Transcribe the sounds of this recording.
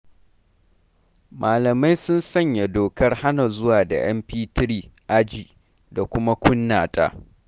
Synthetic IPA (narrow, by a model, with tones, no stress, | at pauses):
mʔaː˨lɐ˨ma˦jsʊ˦nsɐ˦ɲja˨doː˨kɐ˦rha˦na˨zʊ˦waː˨da̰˨j̰ɐ̰˦mɸiː˦tɪ˦ɾiː˦ʔa˦d͡ʒi˨ | da˨kʷʊ˦ma˦kʷʊ˦nːaː˨tʼa̰ː˦